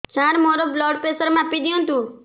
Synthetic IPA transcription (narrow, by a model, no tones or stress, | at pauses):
t͡ʃʰãːɾmoːɾoblɔːɖpeːsəɾmãpid̪ijõːnt̪ũː